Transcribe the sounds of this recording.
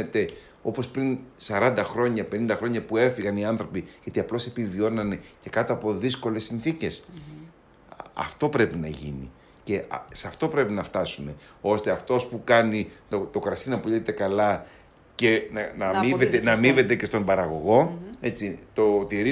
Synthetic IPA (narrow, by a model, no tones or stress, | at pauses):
et̪e̞ | o̞po̞spɾinsɐɾɐnd̪ɐxɾo̞ɲɐpe̞nind̪ɐxɾo̞ɲɐpue̞fiɣɐniɐnθɾo̞piʝɐt̪iɐplo̞se̞pivio̞nɐne̞ce̞kɐt̪o̞ɐpo̞ðisko̞lesːinθice̞s | ɐ̰ft̪o̞pɾe̞pinɐʝḭnḭ | ce̞sɐft̪o̞pɾe̞pinɐft̪ɐsune̞ | o̞st̪e̞ɐft̪o̞spukɐnit̪ot̪o̞kɾɐsinɐpuliet̪e̞kɐlɐ | ce̞nɐnɐmivet̪enɐmive̞t̪e̞cest̪o̞mbɐɾɐɣo̞ɣo̞e̞t͡sit̪o̞t̪iɾi